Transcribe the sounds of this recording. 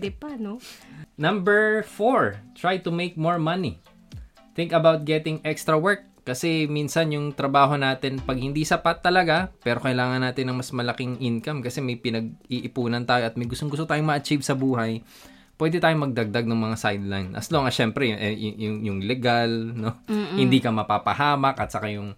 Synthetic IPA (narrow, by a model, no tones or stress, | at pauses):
d̪ɪpnonɐ̃mbɛɹfoɹt̪ɹajt̪ʊmejk̚moɹmɐni | θɪ̃ŋkɐbawt̪̚ɡɛt̪ɪŋʔɛkst̪ɾɐwɛɹkːɐsɛminsɐnjʊŋt̪ɾɐbaːɦo̞naːt̪ɪnpɐɡ̚hɪnd̪isɐpat̪ːɐlɐɡapɛːɾo̞kɐɪlaːŋɐnːaːt̪ɪnːɐŋmɐsmɐlɐkɪŋʔɪnkɐmkɐsɛmɐjpɪnɐɡ̚iʔɪpuːnɐnt̪aːjoʔɐt̪̚mɐjɡʊst̪oŋɡʊst̪ot̪aːjomɐʔɐt͡ʃivsɐbuːɦɐj | pwɛːd̪ɪt̪aːjomɐɡ̚d̪ɐɡ̚d̪aɡ̚nɐŋmɐŋasajd̪lajnʔɐ̰sloŋɐʃɛmpɾɛjʔɛjʊjʊŋjʊŋlɛɡalno̞hɪnd̪ikɐmɐpapɐ̰haːmɐkʔɐt̪̚sɐkajʊŋ